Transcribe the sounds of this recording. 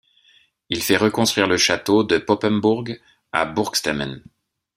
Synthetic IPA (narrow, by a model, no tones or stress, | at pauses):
ilfɛʁəkɔ̃st̪χɥiʁləʃat̪od̪əpɔpɛnbuʁɡ | a̰buʁkst̪amɛ̰n